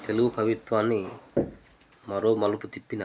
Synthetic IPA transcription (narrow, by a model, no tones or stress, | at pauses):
t̪e̞luɡukʰɐʋit̪ʋaːnːi | mɐɾo̞ːmɐlɐput̪ipːina